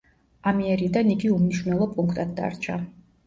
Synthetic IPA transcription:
amiɛɾid̪aniɡiumniʃwnɛlˠɔpʼuŋkʰt̪ʼad̪̚d̪a̰ɾt͡ʃʰa

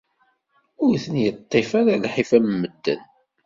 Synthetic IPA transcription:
ʊɾθənjət̪ˤːefaɾalħifæmmːəd̪ːə̰n

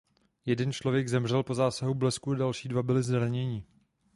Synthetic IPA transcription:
jɛdɛnt͡ʃlovjɛɡzɛmr̝ɛlpo̞zaːsaɦublɛskuadalʃiːdvabɪlɪzdɾaɲɛɲɪ

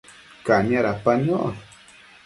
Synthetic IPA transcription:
kaɲaɾapaɲoð

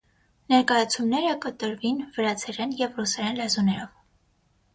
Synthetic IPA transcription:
nɛɾkɑjɑt͡sʰumnɛɾəkət̪əɾvinvəɾɑt͡sʰɛɾɛnjɛvrusɛɾɛnlɛzunɛɾɔv

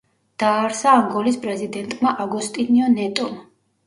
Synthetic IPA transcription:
d̪̥aːɾsaːmɡɔlispʼɾɛzid̪ɛnt̪ʼmaʔaɡust̪ʼiniɔnɛt̪ʼɔm

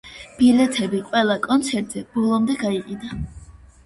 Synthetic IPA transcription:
b̥ilɛt̪ʰɛbiqʼwɛlˠakʼɔnt̪sʰɛɾt̪ʼzɛbɔlˠɔmd̪ɛɡaiqʼid̪a

